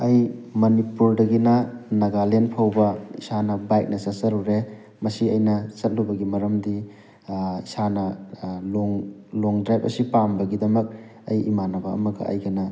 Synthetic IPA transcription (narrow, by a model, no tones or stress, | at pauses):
ɐjmɐnipuɾdɐɡinɐnɐɡalenpʰawbɐisanɐbajk̚nɐsɐsɐɾuɾe | mɐsiɐjnɐt͡ʃɐt̚lubɐɡimɐɾɐmdi | isanɐloŋloŋdɾajp̚ɐ̰sipambɐɡidɐmɐk̚ | ɐjḭmanɐbɐɐ̰mɐɡɐ̰ʔɐ̰jɡɐnɐ